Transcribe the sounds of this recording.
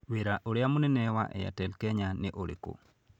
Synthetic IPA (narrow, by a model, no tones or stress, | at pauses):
weɾaʔoɾjamuninɛwa̰ʔɛ̰ja̰tɛlkɛɲaneʔoɾḛko̰